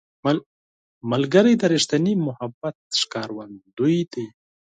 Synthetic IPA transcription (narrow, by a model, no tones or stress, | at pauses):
m | malɡəɾijd̪əɾiʂt̪animʊhabat̪̚ʂkɑɾwand̪ujd̪e